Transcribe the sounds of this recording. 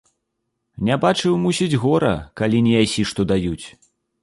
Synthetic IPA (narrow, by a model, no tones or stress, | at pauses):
nʲabat͡ʂɨwmusʲid͡zʲɣɔɾɐ̰kalʲinʲɛjasʲiʂt̪ɔd̪ajut͡sʲ